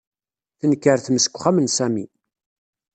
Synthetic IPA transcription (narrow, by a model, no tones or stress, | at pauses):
θənkːəɾθməsə̥kʷːχæmənsæmḭ